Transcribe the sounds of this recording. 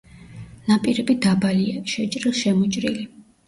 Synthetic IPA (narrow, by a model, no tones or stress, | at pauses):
napʼiɾɛbid̪abaliaʃɛt͡ʃʼɾilˠʃɛmɔt͡ʃʼɾili